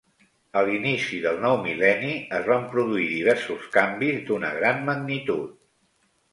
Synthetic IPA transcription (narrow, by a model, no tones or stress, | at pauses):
əlinisiðəlˠnɔwmilɛniəzβampɾuðuiðiβ̞ɛɾsuskambizd̪unəɣɾanməɡ̚nit̪ut̪̚